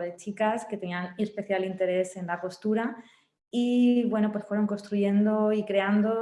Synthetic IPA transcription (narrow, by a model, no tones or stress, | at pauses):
ðet͡ʃikaske̞t̪e̞niaŋespe̞θjalint̪e̞ɾe̞se̞nlako̞st̪uɾa | iβwe̞no̞pwe̞sfwe̞ɾo̞ŋko̞nst̪ɾuʝe̞nd̪oikɾe̞and̪o̞